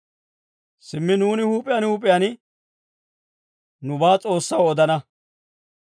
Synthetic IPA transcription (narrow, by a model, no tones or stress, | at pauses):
sɪmːɪnuːnɪhuːpʼɪjaːnhuːpʼɪjaːnɪ | nʊbaːt͡sʼo̞ːsːɐwɔd̪ɐnɐ